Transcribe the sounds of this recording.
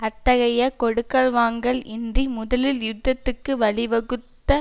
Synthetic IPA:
ɐt̪ːɐɣɐjɐkɔɽɯkːɐɭʋaːŋɡɐɭɪndrimʊðɐlɪljʊd̪ːɐt̪ːɯkːɯʋɐɭɪʋɐɣɯt̪ːɐ

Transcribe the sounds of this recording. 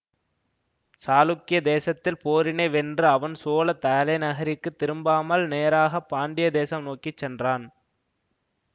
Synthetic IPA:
saːlʊkːɪjɐd̪eːsɐt̪ːɪlpoːɾɪnɐɪʋɛndrɯɐʋɐnsoːlɐt̪ɐɐlɐɪnɐɣɐɾɪkːɯt̪ːɪɾɯmbaːmɐlneːɾaːɣɐpːaːɳɖɪjɐd̪eːsɐmnoːkɪt͡ʃːɛndraːn

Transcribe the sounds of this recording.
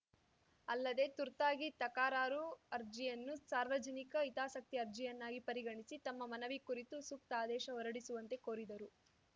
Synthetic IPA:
ɐlːɐd̪e̞t̪uɾt̪aːɡit̪ɐkaːɾaːɾuɐɾd͡ʒijɐnːusaːɾʋɐd͡ʒɐnikɐit̪aːsɐk̚t̪iɐɾd͡ʒijɐnːaːɡipɐɾiɡɐɳisit̪ɐmːɐmɐnɐʋikuɾit̪usuk̚t̪aːd̪ɛːʃɐɔɾɐɽisuʋɐnt̪e̞ko̞ːɾid̪ɐɾu

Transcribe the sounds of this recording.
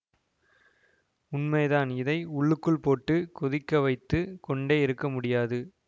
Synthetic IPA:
ʊnmɐɪðaːnɪðɐɪʊɭːɯkːɯɭpoːʈːɯkɔðɪkːɐʋɐɪt̪ːɯkɔɳɖeːɪɾɯkːɐmʊɽɪjaːðɯ

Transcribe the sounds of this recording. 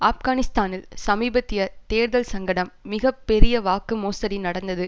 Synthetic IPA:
aːfɡaːnɪst̪aːnɪlsɐmiːbɐt̪ːɪjɐt̪eːɾðɐlsɐŋɡɐɽɐmːɪɣɐpːɛɾɪjɐʋaːkːɯmoːsɐɾinɐɽɐnd̪ɐðɯ

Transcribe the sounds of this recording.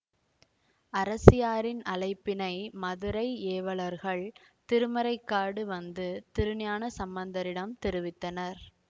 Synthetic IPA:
ɐɾɐsɪjaːɾɪnɐlɐɪpːɪnɐɪmɐðɯɾɐɪeːʋɐɭɐɾɣɐɭt̪ɪɾɯmɐɾɐɪkːaːɽɯʋɐnd̪ɯt̪ɪɾɯnɪjaːnɐsɐmbɐnd̪ɐɾɪɽɐmt̪ɪɾɯʋɪt̪ːɐnɐɾ

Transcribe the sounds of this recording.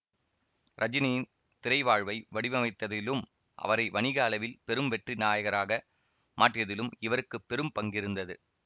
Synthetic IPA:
ɾʔɐd͡ʒɪnɐjɪn | t̪ɪɾɐɪʋaːɻʋɐɪʋɐɽɪʋɐmɐɪt̪ːɐðɪlɯm | ʔɐ̰ʋɐɾɐɪʋɐɳɪɣaːlɐʋɪlpɛɾɯmʋɛʈrinaːjɐɣɐɾaːɣɐ | mʔaːʈrɪjɐðɪlɯmɪʋɐɾɯkːɯpːɛɾɯmpɐŋɡɪɾɯnd̪ɐðɯ

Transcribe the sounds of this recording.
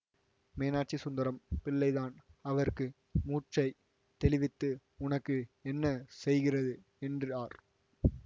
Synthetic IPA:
meːnaːʈ̚t͡ʃisʊnd̪ɐɾɐmpɪlːɐɪðaːnɐʋɐɾkɯ | muːʈʈt͡ʃɐɪ | t̪ɛlɪʋɪt̪ːɯ | ʊnɐkːɯɛnːɐsɛjɣɪrɐðɯ | ɛndrɯaːɾ

